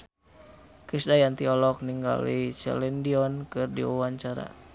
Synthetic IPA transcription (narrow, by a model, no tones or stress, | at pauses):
kɾisdajant̪iɔlɔk̚niŋɡa̰lit͡ʃɛ̰lɛndiɔnkɨrdḭṵwaɲt͡ʃaɾa̰